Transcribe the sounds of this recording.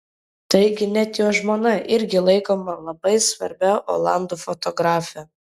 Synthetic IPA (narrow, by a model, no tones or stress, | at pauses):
t̪ɐɪɡʲɪnʲɛt̪joːʒmoːnɐʔɪɾʲɡʲɪlˠɐɪkoːmɐlˠɐbɐɪsʋɐ̰ɾʲbʲɛʔo̰ːlˠɑˑnd̪uːfɔt̪ɔɡɾɑːfʲɛ